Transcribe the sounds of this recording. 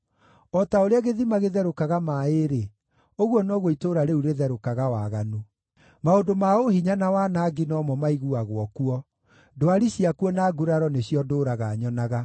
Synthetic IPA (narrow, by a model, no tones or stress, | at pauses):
ɔtaoɾeaɣeðimaɣeðɛɾokaɣamaeɾe | oɣwɔnɔɣoitoɾaɾeuɾeðɛɾokaɣawaɣano | maondomaoɦiɲanawanaɡinɔmɔmaiɣuaɣwɔkuɔ | doaɾiɕijakuɔnaːɡuɾaɾɔneɕjɔdoːɾaɣaɲɔnaɣa